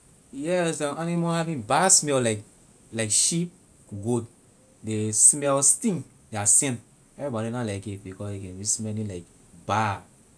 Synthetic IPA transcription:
jɛsãanimohavĩnbasmɛllaɪk | laɪkʃip̚ | ɡod | desmɛlstĩn | dasɛ̃n | ɛvibɔɾinalaɪkitbikɔsekɛ̃nɹismɛnĩlaɪk | ba

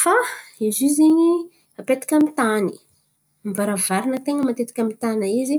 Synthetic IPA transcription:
faiziziɲi | apet̪i̥kʲamit̪ani̥ | mvaɾavaɾinət̪eŋəmat̪et̪i̥kʲamit̪anaizi

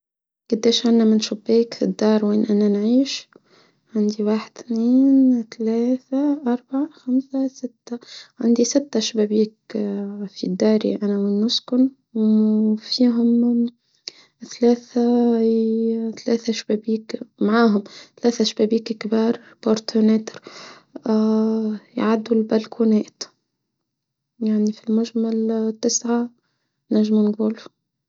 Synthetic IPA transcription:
ɡ̥ʊd̪ːeːʃʕanːamɪnʃʊbːeːkfid̪ːɑːɾˤweːnʔanːanʕiːʃ | ʕand̪iwaːħɪd̪θniːnt̪alæːθaʔɑɾˤbaʕaxamsasɪt̪ːaʕand̪isɪt̪ːaʃbæːbiːk | fid̪ːɑːɾḭʔanawɪnːʊskʊn | wfiːɦʊm | θalæːθa | θalæːθaʃbæbiːkmʕaːɦʊmθalæːθæʃbæːbiːkkbiːɾˤ | boɾt̪ʰoneːt̪ɾ | jʕad̪ːulbælkʰunɛːt̪ | jaʕnifilmʊʒmalt̪ːɪsʕa | næʒːmunɡuːlu

